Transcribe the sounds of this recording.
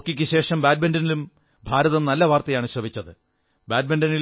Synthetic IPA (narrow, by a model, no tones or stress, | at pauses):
kːikʲːɨɕe̞ːʂɐmbaːd̚bendɐnilum | bʱaːɾɐðɐnɐlːɐʋaːrt̪ɐjaːɳɨɕrɐʋit͡ɕːɐðɨ | baːd̚bendɐnil